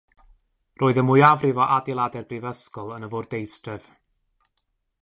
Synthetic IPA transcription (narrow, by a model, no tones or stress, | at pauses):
rʔoːɨðəmʊjavrɪvɔʔadɪlˠadɛrbrivəskɔlˠənəvoːrdejstrɛv̥